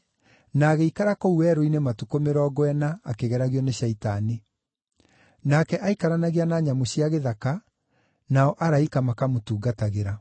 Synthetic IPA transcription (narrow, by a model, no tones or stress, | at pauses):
naːɣeikaɾakouɛɾoinematukomeɾɔːɡwɛnaːkeɣɛɾaɣijɔneɕaitani | nakɛʔaikaɾanaɣianaɲamoɕiaɣeðaka | naɔʔaɾaikamakamotuːɡataɣeɾa